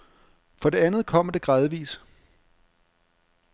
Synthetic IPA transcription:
fɒ̽de̝ænð̞̩ˠkʰɒ̽m̰d̥e̝ɡ̥ʁɑðˠʋḭːs

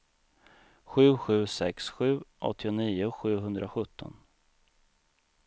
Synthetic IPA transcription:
ɧʉ̟ːɧʉ̟ːsɛksɧʉ̟ːʔɔ̰t̪ʰːɪʊniːʊɧʉ̟ːɦɵnd̪ɾʔaɧɵt̪ʰːɔ̰n

